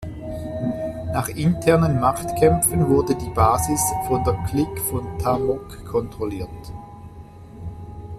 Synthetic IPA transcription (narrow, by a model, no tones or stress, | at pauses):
naːχɪntʰɛɐnənmaχtkʰɛmfənvʊɐdədiːbaːzɪsfɔndeːɐkʰlɪkfɔntʰamɔkʰːɔntʁ̥ɔliːɐt